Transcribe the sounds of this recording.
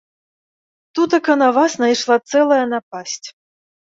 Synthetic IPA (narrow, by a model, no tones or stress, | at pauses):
t̪ut̪ɐkɐnɐvasnajʂlˠat̪sɛlˠɐjɐnap̚asʲt͡sʲ